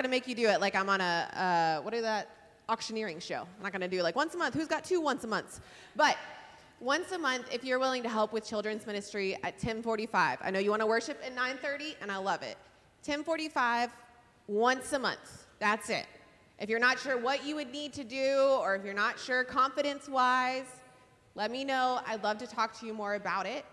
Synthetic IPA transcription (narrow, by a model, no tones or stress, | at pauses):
ʌnɨmeɪkjɨdɨɪt̚ˡlaɪkãɪ̃mə̃nəʌwʌɾɨzðəɾ | ɑkʃɨnɪɹɪ̃ŋʃoʊãɪmnət̚ɡ̥ʌ̃nɨdɨlaɪk̚wʌ̃nsəmʌ̃nθhʉzɡɑtʰʉwʌ̃nsəmʌ̃nθ | b̥ʌt̚ | wʌ̃nsəmʌ̃nθɪfjə˞wɪlˠɪ̃ŋtɨɦɛlˠpwɨð̥t͡ʃʰɪlˠdɹɨ̃nzmɪ̃ñɨstɹ̥iɨ̰tʰɛ̃nfɔɹɾifaɪva̰ɪnoʊjɨwɑ̃ñəwɜ˞ʃɨpɨ̃nːãɪ̃nθɜ˞ɾiʔɨ̃ñaɪlʌvɪ̰t̚ | tʰɛ̃nfɔɹɾifaɪv̥ | wʌ̃nsəmʌ̰̃nθðætsɪ̰t̚ | ʔɨfjə˞nətʃʊɹwʌt͡ʃɨwɨdⁿnid̚tʰɨdʉə˞ɨfjə˞nətʃʊɹkʰɑ̃ɱfɨɾɨ̃nswaɪz̥ | lɛt̚minoʊa̰ɪlʌv̥tɨtʰɔk̚tʰɨjɨmɔɹɨbaʊɾɪt̚